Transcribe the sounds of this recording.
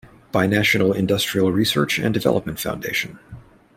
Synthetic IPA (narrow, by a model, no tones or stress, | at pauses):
b̥aɪnæʃɨnl̩ˠɪ̃ndʌstɹ̥il̩ˠɹisɜ̰˞t͡ʃɨ̰̃ndɨvɛ̰lˠəp̚mɨ̃ntfãʊ̃ndeɪʃɨ̃n